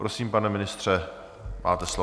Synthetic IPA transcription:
pɾosiːmpanɛmɪnɪst̪r̥ɛ | mʔa̰ːt̪ɛslo

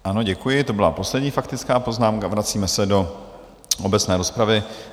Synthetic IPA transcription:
ʔano̞ɟɛkujɪt̪o̞bɪlapo̞slɛdɲiːfakt̪ɪt͡skaːpo̞znaːmkavɾat͡siːmɛsɛdo̞ | ʔo̞bɛt͡snɛːɾo̞spɾavɪ

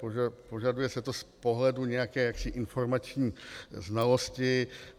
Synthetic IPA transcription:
oapo̞ʒadujɛsɛt̪o̞spo̞ɦlɛduɲɛjakɛːjaksɪʔɪnfo̞ɾmat͡ʃɲiːznalo̞scɪ

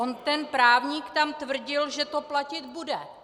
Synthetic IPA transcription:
ont̪ɛnpɾaːvɲiːkt̪amt̪vr̩ɟɪlʒɛt̪o̞placɪd̪budɛ

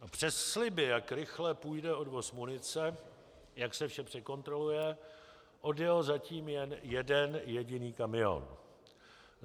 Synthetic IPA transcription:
apr̝̥ɛsːlɪbɪjakɾɪxlɛpujdɛo̞dvo̞smunɪt͡sɛ | jaksɛfʃɛpr̝̥ɛko̞nt̪ɾo̞lujɛ | ʔo̞djɛlzaciːmjɛnjɛdɛnjɛɟɪniːkamɪo̰n

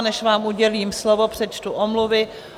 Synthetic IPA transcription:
nɛʃvaːmuɟɛliːmslovopr̝̥ɛt͡ʃt̪uʔomluvɪ

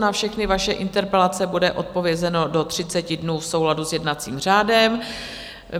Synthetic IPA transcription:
nafʃɛxnɪvaʃɛʔɪnt̪ɛɾpɛlat͡sɛbudɛʔo̞t̪̚po̞vjɛzɛno̞do̞t̪r̝̥ɪt͡sɛcɪdnuːfso̞wladusjɛdnat͡siːmr̝aːdɛm

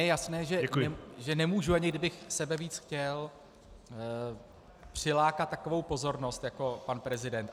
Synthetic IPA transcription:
jɛjasnɛːʒɛɛɛʒɛnɛmuːʒuaɲɪɡdɪbɪxsɛbɛviːt͡sxcɛl | pr̝̥ɪlaːkat̪ːako̞vo̞wpo̞zo̞ɾno̞st̪jako̞panpɾɛzɪdɛnt̪

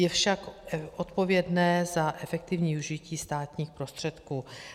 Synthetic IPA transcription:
jɛfʃakʔot̪po̞vjɛdnɛːzaʔɛfɛk̚t̪ɪvɲiːuʒɪciːst̪aːt̪ɲiːxpɾo̞st̪r̥ɛt̪kuː

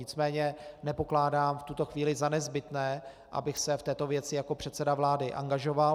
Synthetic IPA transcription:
ɲɪt͡smɛːɲɛnɛpo̞klaːdaːmft̪ut̪o̞xviːlɪzanɛzbɪt̪nɛː | ʔa̰bɪxsɛft̪ɛːt̪o̞vjɛt͡sɪjako̞pr̥ɛt̪sɛdavlaːdɪʔa̰ŋɡaʒo̞va

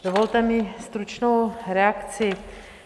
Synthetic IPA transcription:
d̥ovolt̪ɛmɪst̪ɾut͡ʃnowɾɛakt͡sɪ

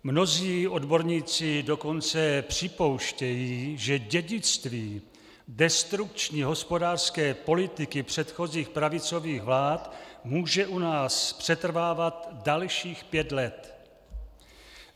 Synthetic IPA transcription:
mno̞ziːʔo̞dbo̞ɾɲiːt͡sɪdo̞ko̞nt͡sɛpr̝̥ɪpo̞wʃcɛjiːʒɛɟɛɟɪt͡st̪viː | dɛst̪ɾuk̚t͡ʃɲiːɦo̞spo̞daːr̥skɛːpo̞lɪt̪ɪkɪpr̝̥ɛt̪xo̞ziːxpɾavɪt͡so̞viːɣvlaːt̪muːʒɛʔunaːspr̝̥ɛt̪r̩vaːvat̪dalʃiːxpjɛt̪lɛt̪

